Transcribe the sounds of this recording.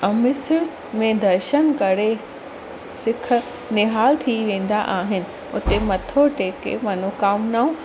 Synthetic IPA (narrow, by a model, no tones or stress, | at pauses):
ɐmɪsɪɽ | mẽd̪ɐɾʃənkɐɾe | sɪkʰ | nɪɦaːlt̪ʰiʋẽːn̆d̪aʔaːɦɪnɪ̆ | ʊt̪emɐt̪ʰoʈeːkḛmɐnoːkaːmnaːũ